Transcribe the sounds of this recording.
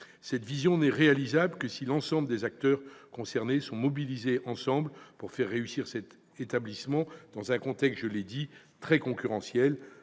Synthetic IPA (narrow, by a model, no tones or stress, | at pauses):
sɛt̪vizjɔ̃nɛʁealizabləkəsilɑ̃sɑ̃bləd̪ezak̚t̪œʁkɔ̃sɛʁnesɔ̃mɔbilizeʔɑ̃sɑ̃blpuʁfɛʁːeysiʁsɛt̪ | et̪ablismɑ̃d̪̥ɑ̃zɛ̃kɔ̃t̪ɛkst̪ʒəled̪i | t̪χɛkɔ̃kʲyʁɑ̃sjɛl